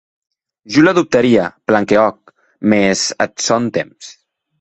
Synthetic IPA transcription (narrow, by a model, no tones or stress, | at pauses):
ʒulaðup̚t̪aɾiaplaŋkeɔk̚ | mezə̰t̪sont̪ems